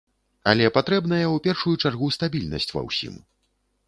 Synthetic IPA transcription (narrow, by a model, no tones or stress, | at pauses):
a̰lʲɛpat̪ɾɛbnɐjɐwpʲɛrʂujut͡ʂarɣust̪abʲilʲnɐ̰sʲt͡sʲvɐ̰wsʲḭm